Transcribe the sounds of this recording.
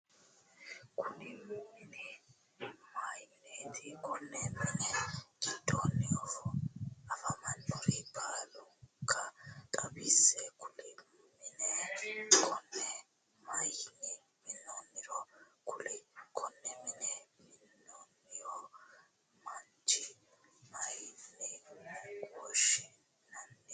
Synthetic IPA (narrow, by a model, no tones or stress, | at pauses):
kʰʊnimɪnɛ | majnet̪ʰikɔnːɛmɪnɛɡ̥ɪd̪̥onːɪjɔ | ɐfamɐnːɔɾibaːlʊŋkʰːɐt̪ʼɐbisɛkʰʊli | mɪnɛkʰɔnːɛ | mɐjnːɪ | mɪnːonːɪɾɔkʰʊlɪkʰɔnːɛmɪnɛmɪnːonːɪjo | mɐn | t͡ʃɪmɐjnːiɡʼɔːʃɪ | nɐnːi